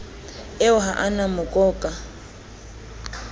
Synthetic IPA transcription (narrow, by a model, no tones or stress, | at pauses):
ɪʊɦaʔanamʊkʼɔːkʼa